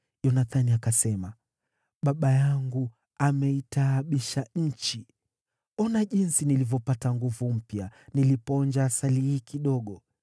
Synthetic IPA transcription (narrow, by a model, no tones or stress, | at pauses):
jɔnaθaniakasɛma | ɓaɓajaŋɡu | amɛitaːɓiʃaɲ̩t͡ʃi | ɔnaʄinsinilivjɔpataŋɡuvum̩pjanilipɔɲd͡ʒaːsalihiːkiɗɔɠɔ